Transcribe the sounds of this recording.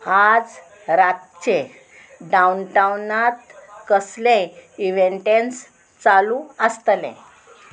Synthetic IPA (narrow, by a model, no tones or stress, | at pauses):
ad͡z | ɾat̪t͡ɕe | ɖaunʈawnat̪kəslẽiʋeɳʈẽns | t͡salũəst̪lḛ̃